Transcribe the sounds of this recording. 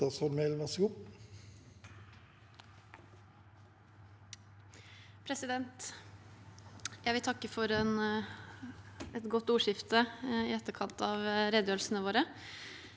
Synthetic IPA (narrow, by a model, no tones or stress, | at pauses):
ɑsfɔɾmelʋɑsʊp | pʰɾɛsɪd̪ɛnt̪ | jæɪʋɪlt̪ʰɑkːəfɔɾɛn | ɛt̪ɡɔt̪ːuːʂɪft̪əɪɛt̪ːəɾkʰɑnt̪ʰɑːʋɾeːd̪øːɾlsənəʋoːɾə